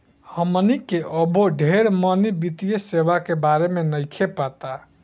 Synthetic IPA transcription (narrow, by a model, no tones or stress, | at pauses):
həmnikeʔəboɖʱeɾmənibit̪ijəseʋakebaɾemenəjkʰepat̪a